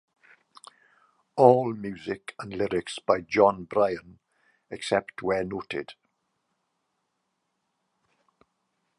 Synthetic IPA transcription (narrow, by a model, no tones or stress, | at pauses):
ɔːlˠmjʉːzɪkʰə̃nlɪɾɪksb̥aɪd͡ʒɔ̃nbɹaɪə̃n | ɛksɛptʰwɛnotʰɪ̰d̥